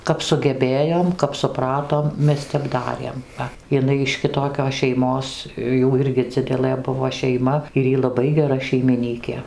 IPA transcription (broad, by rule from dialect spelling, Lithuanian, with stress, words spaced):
kɐp sʊɡʲɛˈbʲeːjoːm kɐp sʊˈprɑːtoːm ˈmʲɛs ˈtʲɛp ˈdɑːrʲeːm ˈʋɐ ɪˈnɐɪ ɪʃ kʲɪˈtoːkʲoːs ʃʲɛɪˈmoːs ˈjuː ˈɪrʲɡʲɪ ˈd͡zʲɪdʲɛlˠɘ ˈbʊʋoː ʃʲɛɪˈmɐ ɪr ˈiː lˠɐˈbɐɪ ɡʲɛˈrɐ ʃʲɛɪmʲɪˈnʲiːkʲeː